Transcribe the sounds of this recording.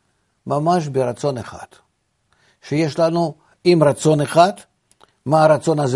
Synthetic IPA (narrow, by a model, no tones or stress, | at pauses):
mamaʃbɪɾat̪so̞neχa̰t̪ | ʃejeʃlˠanu | imrat̪so̞neχat̪ | maːɾat̪so̞naz